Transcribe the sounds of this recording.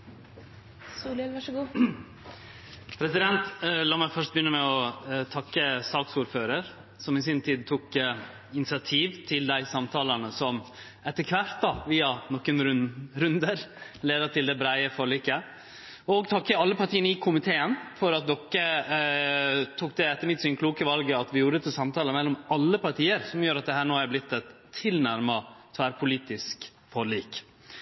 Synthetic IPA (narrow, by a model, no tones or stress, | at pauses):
suːlɛʋɑʂɡuː | pʰɾɛsɪd̪ɛnt̪lɑːmæɪfœʂt̚bəjʏnːəmɛɔt̪ʰɑkːəsɑːksuːɾføːɾəɾ | sɔmɪsɪnt̪ʰiːd̪̚t̪ʰuk | ɪnɪsɪɑt̪ʰiːʋt̪ʰɪld̪æɪsɑmt̪ʰɑːləɳəsɔm | ɛt̪ːəkʰʋæɾt̪̚d̪ɑʋiːɑnɔkːənɾɾʉnd̪əɾleːd̪əʈ̪ɪld̪ɛbɾæɪəfɔːɾɭiːkə | ɔɡt̪ʰɑkːəɑlːəpɑɾʈʰiːənəɪkʰʊmɪt̪ʰeːənfɔɾɑt̪̚d̪ɔkːə | t̪ʰuːk̚d̪ɛɛt̪ːəɾmɪt̪sɪnkʰluːkəʋɑlɡəɑt̪ʋɪjuːɾət̪ʰɪlsɑmt̪ʰɑːləmɛlːɔmɑlːəpɑʈʰiːəɾsɔmjøːɾɑt̪̚d̪ɛhæːɳoːæɾblɪt̪ːɛt̪ʰːɪlnæɾmɑt̪ʰʋæːɾpʰʊliːt̪ɪsk | foːɭiːk